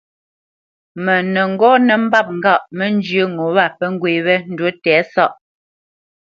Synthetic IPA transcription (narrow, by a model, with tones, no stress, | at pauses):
mɛ˨nə˨ŋ̩˦ɡɔ˦nə˨m̩˦ba˦˨p̚ŋ̩˦ɡa˦˨ʔmə˦n˦d͡ʒə˦ŋo˨˦βa˦˨pə˦ŋ˦ɡwe˨βɛ˦n̩˦dwo˦tɛː˨˦sa˦˨ʔ